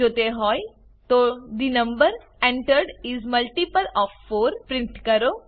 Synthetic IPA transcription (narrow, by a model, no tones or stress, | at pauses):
ot̪eɦɔj | t̪oɖinəmbəɾ | ẽɳʈəɾɖizməlʈipəlɔfːoɾpɾiɳʈkəɾo